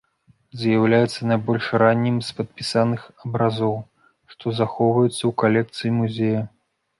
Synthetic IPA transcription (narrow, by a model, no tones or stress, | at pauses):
zjawlʲajɛt̪sːɐnɐjbɔlʲʂɾanʲːimspɐt̪̚pʲisanɨxɐbɾazɔw | ʂt̪ɔzaxɔwvɐjut̪sːɐwkalʲɛk̚t̪sɨjimuzʲejɐ